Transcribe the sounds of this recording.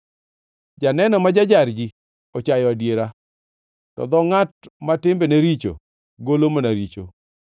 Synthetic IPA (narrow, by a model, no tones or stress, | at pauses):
d͡ʒanɛnɔmad͡ʒad͡ʒaɾd͡ʒi | ɔt͡ʃajɔadjeɾa | tɔ̰d̪ɔŋatmatɪmbeneɾit͡ʃo̰ | ɡolomonaɾit͡ʃo̰